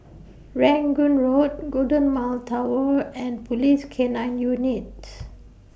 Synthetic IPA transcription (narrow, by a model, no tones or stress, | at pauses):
ɹɛ̃ŋɡũnɹot̚ɡodə̃nmaltʰawəɛ̃npʰɔliskʰenãnjunit̚